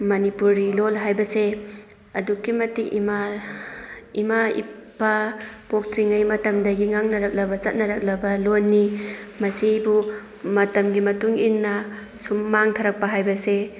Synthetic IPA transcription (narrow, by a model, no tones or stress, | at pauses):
mɐnipuɾilolɦajbɐse | ɐdukːimɐtikima | imaḭpːapok̚tʰɾiŋajmɐtɐmdɐɡiŋaŋnɐɾɐk̚lɐbɐt͡ʃɐt̚nɐɾɐk̚lɐbɐlonːimɐsibu | mɐtɐmɡimɐtuŋinːɐ | sumːaŋtʰaɾɐk̚pɐɦajbɐse